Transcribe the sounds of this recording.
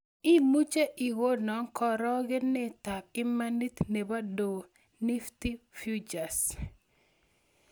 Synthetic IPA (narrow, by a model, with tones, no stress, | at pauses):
i˦mu˦t͡ʃe˦ʔi˨ɣo˦nɔ˨˦ŋkɔ˨ɾɔ˦ɡɪ˦nːɪ˦ta˨k̚ɪ˦ma˦ni˦t̪ne˨ba˦do˨ | ni˦ft̪i˦fju˦d͡ʒa˨s